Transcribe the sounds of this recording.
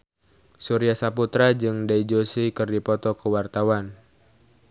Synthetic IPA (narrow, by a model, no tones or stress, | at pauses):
suɾiasaput̪ɾad͡ʒɨŋdaid͡ʒosikɨrdipɔt̪ɔkəwart̪awan